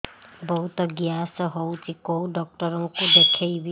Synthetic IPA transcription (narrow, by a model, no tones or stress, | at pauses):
bɔɦut̪ɔɡiasɔɦowt͡ʃʰikowɖɔk̚ʈɔɾɔŋkud̪ekʰejbi